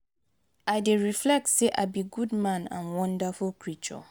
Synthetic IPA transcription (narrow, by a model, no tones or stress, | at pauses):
aɪdeɹiflɛk̚tseʔa̰biɡudmãnã̰nwɔ̃ndafulkʰɹit͡ʃɔ̰